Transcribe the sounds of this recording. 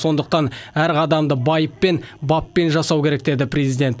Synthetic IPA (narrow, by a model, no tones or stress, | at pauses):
so̞nd̪əq̚t̪ɑnæɾqʰɑd̪ɑmd̪əbɑjəpːe̞nbɑpːe̞nʒɑsɑwkʲʰe̞ɾe̞kd̪e̞d̪ɪprʲe̞zid̪ʲe̞nt̪